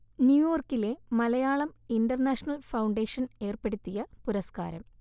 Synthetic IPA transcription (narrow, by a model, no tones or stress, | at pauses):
njuːjoːrkːile̞mɐlɐjaːɭɐminɖɐrnaːʂɐnɐlfɐwɳɖeːʂɐne̞ːrpeɽut̪ːijɐpuɾɐska̰ːɾɐm